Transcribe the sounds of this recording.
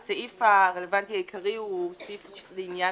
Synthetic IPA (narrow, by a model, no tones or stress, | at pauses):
saʔifaʁelevant̪ihajikʰaʁiusifleinja